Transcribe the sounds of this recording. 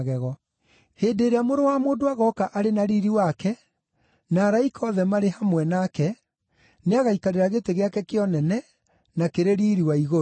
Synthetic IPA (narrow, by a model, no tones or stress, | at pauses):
ɣɛɣɔ | heːdeːɾeamoɾowamoːdoaɣɔkaʔaɾenaɾiɾiwakɛ | naːɾaikʰɔðɛmaɾehamwɛnakɛ | neaɣaikaɾeɾaɣeteɣeakɛkeɔnɛnɛ | nakeɾeɾiːɾiwaiɣo